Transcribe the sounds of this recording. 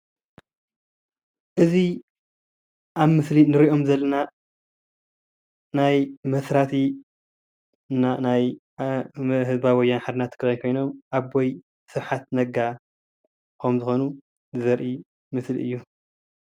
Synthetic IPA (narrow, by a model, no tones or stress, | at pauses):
ʔɨzi | ʔaβmɨslinɨɾiʔo̞mzɐlːɐna | najmɐsɾat̪ʰi | nanaj | ɦɨzbawɔjːanħad̪ɨnat̪kʰɐjnkʰo̞jno̞mʔaβːoj | sɨɾħat̪nɐɡa | kʰɐmzɨxo̞nu | zɨzɐɾʔi | mɨslḭʔɨ̰jːu